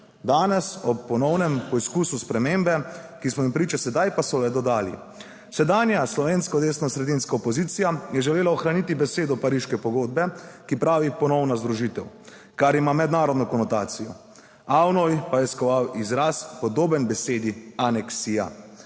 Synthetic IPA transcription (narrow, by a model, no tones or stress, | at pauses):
d̪aːnɛsɔpːɔnɔwnɛmpɔiskuːsuspɾɛmeːmbɛkismɔimpɾiːt͡ʃasɛd̪ajpasɔlɛd̪ɔd̪aːlḭ | sɛd̪aːnjaslɔʋeːnskɔd̪eːsnɔsɾɛd̪inskaɔpɔziːt̪sijajɛʒɛleːlaɔxɾanit̪ibɛseːd̪ɔpaɾiːʃkɛpɔɡoːd̪̚bɛkipɾaːʋipɔnɔwnazd̪ɾuʒit̪ɛw | kaɾimamɛd̪naːɾɔd̪nɔkɔnɔt̪aːt̪sijɔ | awnɔjpajɛskɔʋawizɾaːspɔd̪oːbɛnbɛseːd̪ianɛksija̰